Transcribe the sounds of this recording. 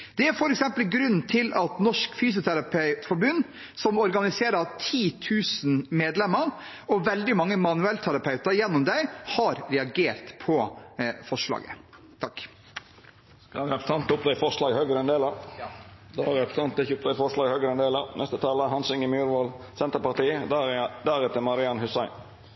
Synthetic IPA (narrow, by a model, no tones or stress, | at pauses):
d̪̥ɛæɾfɔɾɛksɛmpəlɡɾʉnːt̪ʰɪlʔɑt̪nɔʂkfyːs̬ʊt̪ʰæɾɑpʰœt̪fɔɾbʉn | sɔmɔɾɡɑnɪseːɾɑt̪ʰiːt̪ʰʉːsnmeːd̪lɛmːəɾ | ɔʋɛld̪ɪmɑŋːəmɑnʉɛlt̪ʰæɾɑpʰɑʉt̪ɑɾjɛnːɔmd̪æɪhɑɾɾɛɑɡeːɾt̪pʰɔfɔʂlɑ̰ːɡə̰ | t̪ʰɑk | kɑɾɛpɾsɑnt̪ʊpd̪ɛɪfɔʂɭɑːɡhøːɡəɾəɛnd̪eːləɾ | d̪ɾɛpɾəsɑnt̪̚d̪ɛçʊp̚d̪ɛɪfɔʂlɑːɡhœːɡɾəɛnd̪eːləɾnɛst̪ət̪ʰɑːləhɑnsʏŋɪmjʉːɾʋolsɛnt̪əpɑʁt̪iːd̪æɾɛt̪əmɑɾɪɑnhʉsæɪn